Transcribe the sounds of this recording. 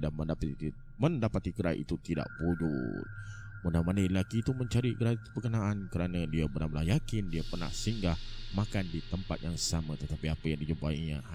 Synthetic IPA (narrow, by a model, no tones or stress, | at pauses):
daməndap | məndapat̪iɡəɾa̰ʔḭt̪ut̪ida̰ʔbud͡ʒṵt̪̚ | mudamanailakiːt̪uməɲt͡ʃaɾiɡəɾabəkənaʔankəɾanadiabəɾnamlahjakɪndiapərna̰hsəiŋɡahmakandit̪əmpa̰t̪̚jaŋsamat̪ət̪apiapajaŋdid͡ʒumpaiɲa̰